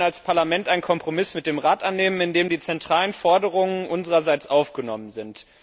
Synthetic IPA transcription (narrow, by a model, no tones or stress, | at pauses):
alspʰaɐlamɛntaɪnkʰɔmpʁ̥omɪsmɪt̚d̥eːmʁaːtʔanːeːmənɪndeːmdiːt͡sɛntʁ̥aːlənfɔɐdəʁʊŋənʔʊnzəʁɐzaɪt͡sʔaʊfɡ̥ənɔmənzɪnt